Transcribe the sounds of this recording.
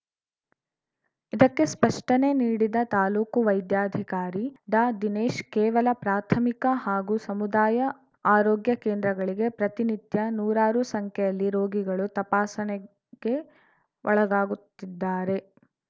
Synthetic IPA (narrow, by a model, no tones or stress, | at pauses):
id̪ɐkːe̞spɐʂʈɐne̞niːɽid̪ɐt̪aːluːkuʋɐjd̪jaːd̪ʱikaːɾiɖaːd̪ineːʃkɛːʋɐlɐpɾaːt̪ʰɐmikɐhaːɡusɐmud̪aːjɐ | aːɾoːɡjɐkeːnd̪ɾɐɡɐɭiɡe̞pɾɐt̪init̪jɐnuːɾaːɾusɐŋkʰɛjɐlːiɾoːɡiɡɐɭut̪ɐpaːsɐnɛ | ɡ̥e̞ | ʔɔɭɐɡaːɡut̪ːid̪ːaːɾe̞